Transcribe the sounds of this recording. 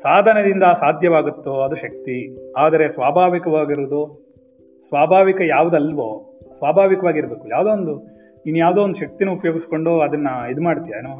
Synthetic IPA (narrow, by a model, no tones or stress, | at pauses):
saːd̪ʱɐnɐd̪ind̪ɐsaːd̪ʱjɐʋaːɡut̪ːuɐd̪uʃɐk̚t̪iaːd̪ɐɾe̞sʋaːbʱaːʋikɐʋaːɡiɾud̪u | sʋaːbʱaːʋikɐjaːʋud̪ɐlʋoːsʋaːbʱaːʋikɐʋaːɡiɾbe̞ːkuja̰ːʋd̪oːond̪u | inːujaːʋd̪eːond̪ʃɐk̚t̪inuupɐjoːɡisko̞ɳɖoɐd̪ɐnːɐid̪umaːɖt̪ijaenoː